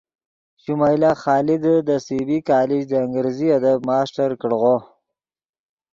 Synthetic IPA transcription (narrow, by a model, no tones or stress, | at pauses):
ʃumajlaxɑːlɪd̪əd̪əsibikɑːlɪd͡ʒd̪əːŋɡəɾziad̪ab̚mɑːsʈaɾkəɽɣo